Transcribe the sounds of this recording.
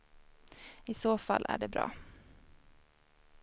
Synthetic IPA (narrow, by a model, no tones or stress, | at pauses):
ɪsoːfalːʔæ̰ɖɛbɾɑ̰ː